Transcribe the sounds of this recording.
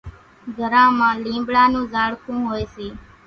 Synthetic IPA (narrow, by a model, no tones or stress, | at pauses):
ɡʱəɾãːmãːlĩːmbɽaːnũːzaːɭkʰũːɦoːjseː